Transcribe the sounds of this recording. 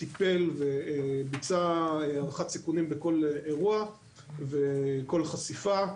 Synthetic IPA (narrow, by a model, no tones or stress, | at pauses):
t̪ipe̞lvebit͡saaχat̪sikunimbeko̞leʁua | ve̞ko̞lχasifa